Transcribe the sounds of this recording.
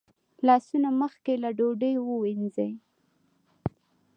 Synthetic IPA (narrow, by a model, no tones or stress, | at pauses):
lɑsunaməxkelaɖoɖəjwəwinzej